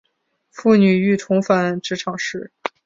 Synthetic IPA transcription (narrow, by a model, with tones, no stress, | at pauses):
fu˥˩ny˨˩y˥˩t̪ʰʊ˧˥ŋfa˧˥nʈ͡ʂɻ̩˧˥ʈ͡ʂʰɑ˨˩ŋʂɻ̩˥˩